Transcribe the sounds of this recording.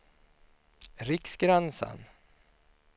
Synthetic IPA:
ɾɪksɡɾɛnsa̰n

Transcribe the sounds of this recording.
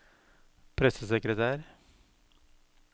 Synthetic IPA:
pʰɾɛsəsɛkɾət̪ʰæːɾ

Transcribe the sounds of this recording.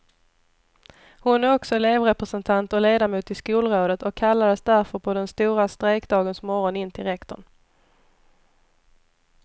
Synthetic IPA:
hʊnæɾɔksɔleːvɾɛpɾɛsɛnt̪ʰant̪ɔleːd̪amuːt̪ɪskuːlɾoːd̪ət̪ɔkʰːalːad̪əsd̪æɾfœɾpʰɔd̪ɛnst̪uːɾast̪ɾeːkd̪ɑːɡənsmɔɾɔnɪnːt̪ʰɪɾɛkt̪ɔ̰ɳ

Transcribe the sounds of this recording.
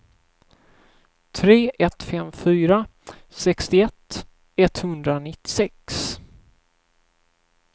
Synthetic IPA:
t̪ʰɾeːʔɛt̪fɛmfyːɾasɛkst̪ɪɛt̪ː | ɛt̪hɵnd̪ɾanɪt̪ːɪ̥sɛks

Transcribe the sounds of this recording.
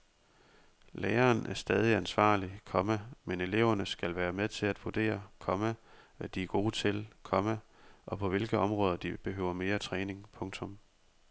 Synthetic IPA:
leːɐːnʔæɐsd̥ɛːð̞ˠiænsʋɑ̰̈ːlikʰɒ̽mæmene̝le̝ʊ̰ɐnəsɡ̥ælʋæːɐmeðˠt͡sʰe̝læd̥ʋud̥e̝̰ːɐkʰɒ̽mæʋæd̥iæɐɡ̥o̝ːt͡sʰe̝lkʰɒ̽mə | ʔɒ̽pʰɒ̽ʋe̝lɡ̥əɒ̽mʁɔ̽ːð̞ˠɐd̥ib̥e̝ɦø̰ːʊ̰ɐme̝ːɐt͡sʰʁɛːne̝ŋpʰɔ̽ŋt͡sʰɔ̽m

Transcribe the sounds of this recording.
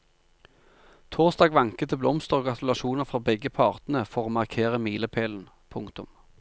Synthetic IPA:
t̪ʰoːʁst̪ɑːɡʋɑŋkət̪ʰɪblɔmst̪əʁoːɡʁɑt̪ʉlɑʃuːnəʁfʁɑːbɛɡəpʰɑʁt̪nəfɔʁoːmɑʁkʰeːʁəmiːləpʰeːln̩ | pʰʊŋkt̪ʊm

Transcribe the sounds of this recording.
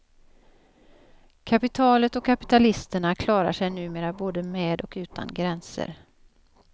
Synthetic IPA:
kʰapɪt̪ʰɑːlət̪ɔkʰːapɪ̥t̪alɪst̪əɳakʰlɑːɾa̰ʂɛjnʉ̟ːmeːɾaboːd̪əmeːd̪ɔkʉ̟ːt̪ʰa̰nɡɾɛnsə̰ɾ

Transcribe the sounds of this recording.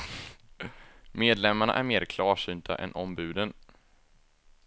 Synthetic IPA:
meːd̪lɛmːaɳa̰ʔæɾmeːɾkʰlɑːʂyːnt̪ʰa̰ʔɛ̰nʔɔmbʉ̟ːd̪ən

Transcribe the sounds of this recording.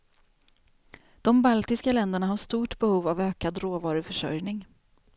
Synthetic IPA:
d̪̥ɔmbalt̪ɪskalɛnd̪əɳaɦaʂt̪uːʈbɛhuːvavøːkad̪ɾoːvɑːɾʊfœʂœ̰ɾjnɪŋ

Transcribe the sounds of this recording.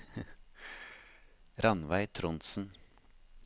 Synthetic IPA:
ɾɑnʋæɪt̪ʰɾʊnt̪sn̩

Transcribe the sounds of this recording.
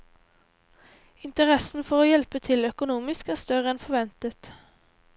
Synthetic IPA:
ɪnt̪əʁɛsn̩fɔʁoːjɛlpət̪ʰɪlœkʊnuːmɪskæːʁst̪œʁəɛnfɔʋɛnt̪ət̪

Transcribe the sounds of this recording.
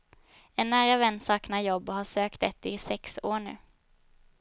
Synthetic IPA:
ɛnːæːɾavɛnsɑːknajɔbːhaʂøːkt̪ɛt̪ːɪsɛksoːɳʉ̟̰ː

